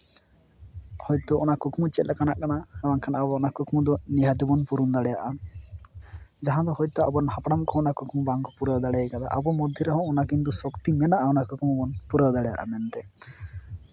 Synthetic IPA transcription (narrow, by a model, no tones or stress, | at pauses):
hɔjt̪ɔɔnakukmut͡ʃɛlɛkanaʔkanaɛmankʰanabɔːnakukmud̪ɔniɦad̪ibɔnpuɾund̪aɽɛjaʔa | d͡ʒaɦãd̪ɔhɔjt̪ɔabɔnhapɽamkɔɔnakukmubaŋkɔpuɾad̪aɽɛakad̪a̰ʔabɔmɔd̪ʱːjiɾaɦɔ̃ɔnakint̪̬usɔkt̪imɛnaʔaɔnakukmubɔnpuɾawd̪aɽɛja̰ʔa̰mɛnt̪ɛ